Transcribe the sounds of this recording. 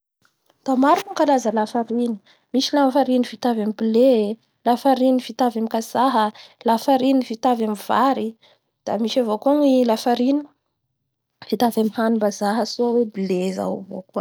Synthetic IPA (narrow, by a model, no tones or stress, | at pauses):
d̪̥amaɾunakalazəlafaɾini̥ | miʃilafaɾinifit̪avamibile | lafaɾinifit̪avamikazaɦəlafaɾinifit̪avamiv̥aɾi | d̪̥amiʃavokaŋilafaɾini | fit̪avamihanubazaɦəsoawebileza̰wvo̰kuə